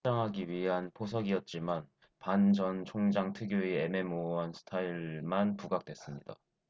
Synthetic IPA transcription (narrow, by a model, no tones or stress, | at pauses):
aŋɦaɡiɥiɦanpʰos̬ʰʌɡiʌt̚t͡ɕ͈iman | pand͡ʑʌnt͡ɕʰoŋd͡ʑaŋtʰɯɡjoieme̞moɦansʰɯ̥tʰaiɭmanpuɡak̚t͈we̞s͈ɯmɲida̰